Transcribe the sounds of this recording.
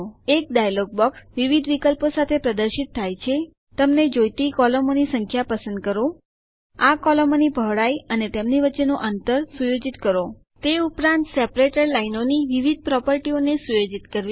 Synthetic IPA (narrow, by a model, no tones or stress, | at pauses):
ek̚ɖajlɔɡ̚bɔksʋiʋid̪ʋikəlposat̪ʰepɾəd̪əɾʃit̪ʰːajt͡ʃʰe | t̪əmned͡ʒojt̪ikɔləmonisəŋkʰjapəsə̃nd̪̚kəɾo | akɔləmonibʱəʋɽajənet̪emniʋətːʃenoʔənt̪əɾsujod͡ʒit̪kəɾo | t̪eupɾãnt̪sɛpɾeʈəɾlainoniʋiʋid̪̚ʱpɾɔpəɾʈionesujod͡ʒit̪kəɾʋi